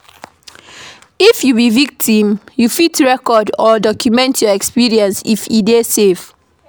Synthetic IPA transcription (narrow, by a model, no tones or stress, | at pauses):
ifjubivik̚tʰĩmjufitɹɛkɔdɔdɔkʰjumɛ̃ntʰjɔɛkspiɹiə̃nsifidesev